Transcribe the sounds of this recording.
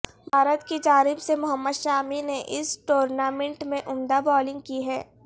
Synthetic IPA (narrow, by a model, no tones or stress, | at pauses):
bʱaːɾət̪kid͡ʒaːɾɪbsemʊɦəmːəd̪ʃaːmineʔɪsʈoːɾnaːmẽɳʈmẽʔʊmd̪abɔːlɪ̃ŋɡ̚kiɦɛː